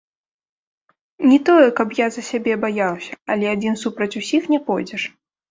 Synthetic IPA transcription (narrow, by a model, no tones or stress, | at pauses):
nʲit̪ɔjɛkɐpjazɐsʲabʲɛbajawsʲɐ̥ɐlʲɛad͡zʲinsupɾɐt͡sʲusʲixnʲɛpɔjd͡zʲɛʂ